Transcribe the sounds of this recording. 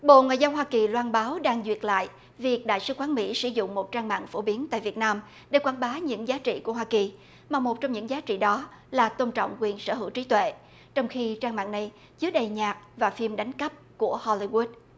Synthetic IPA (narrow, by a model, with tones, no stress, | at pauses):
ɓo̰˧˨ŋwa̰ː˧˨jzə˧nɦwaː˧ki˨˩lwaː˧nɓaː˨˦wɗaː˧ŋzwi˨˩ət̚la̰ː˧˨j | vi˨˩ək̚ɗa̰ː˧˨jsɨ˨˦kwaː˨˦nmḭ˧˥sɨ˧˩zʊ̰˧˨ŋ͡mmo˨˩t̚t͡ɕaː˧ŋma̰ː˧˨ŋfo˧˩ɓi˨˦ənt̪a̰ː˧˨vi˨˩ət̚naː˧m | ɗe˧˩kwaː˧˩nɓaː˨˦ɲɨ̰˧˥ŋzaː˨˦t͡ɕḭ˧˨ku˧˩əɦwaː˧ki˨˩ | maː˨˩mo˨˩t̚t͡ɕɔ˧wŋ͡mɲɨ̰˧˥ŋzaː˨˦t͡ɕḭ˧˨ɗɔ˨˦laː˨˩t̪o˧nt͡ɕɔ̰˧˨wŋ͡mkwi˨˩ənsə̰ː˧˩ɦɨ̰˧˩wt͡ɕi˨˦t̪wḛ˧˨ | t͡ɕɔ˧wŋ͡mxi˧t͡ɕaː˧ŋma̰ː˧˨ŋna˨˩j | t͡ɕɨ˨˦˥ək̚ɗə˨˩jɲaː˨˩k̚vaː˨˩fi˧mɗa˨˦jŋ̟kə˦˥p̚ku˧˩əhɔ˧li˧ɣu˦˥t̚